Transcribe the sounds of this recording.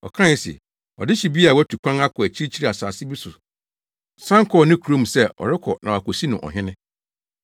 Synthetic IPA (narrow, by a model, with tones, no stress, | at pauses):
ɔ̰˨kʰã˦ɛ˦sɛ̰˨ | ɔ̰˨dɪ˦ɕi˨bi˦a˨wɛ˦tʰu˨kʷʰã˦ŋa˦kʰɔ˨æ˨t͡ɕʰi˦ɾi˦t͡ɕʰi˦ɾi˦a˨saː˨sɪ˦bi˦sʊ˨ | sã˦ŋ˦kʰɔ˦˨nɪ̃˦kʰu˨ɾõ˦m̩˨sɛ˦ɔ̰˨ɾɪ˦kʰɔ˨nʔã˨a˨kɔ˨si˦nʊ̃˨ʔɔ̰˨ɦɪ̃˦nɪ̃˦